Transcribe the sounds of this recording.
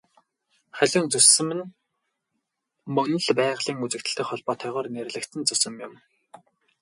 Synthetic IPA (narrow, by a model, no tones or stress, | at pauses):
χæɮʲʊːnt͡sɵsɘ̆mɘ̆n | mɵnɵ̆ɮpæːʁɮiːŋut͡sɘ̆kt̪ɘ̆ɬt̪ɘ̆kχɔɮpɔːt̪ʰœːʁɔːrner̆ɮɘ̆kt̪ɘ̆nt͡sɵsɵ̆mjʊm